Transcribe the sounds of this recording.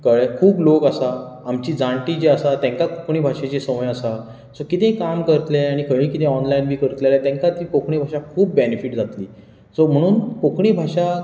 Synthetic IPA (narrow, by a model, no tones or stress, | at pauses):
kəɭekʰuːblokasaːmt͡ɕiːd͡zãɳʈiːd͡ʑeasat̪ɛ̃ŋkakokʰɳ̃iːbʱaʂet͡ɕesəʋəjasa | sokit̪ẽkamkəɾt̪leaɽ̃ikəɭĩkit̪ʰẽɔnlainbʱiːkəɾt̪lelat̪ɛ̃ŋkat̪iːkokʰɳ̃ibʱaʂakʰuːpːbenefiʈd͡zat̪liː | som̤əɽ̃uːnkokʰɳiːbʱaʂa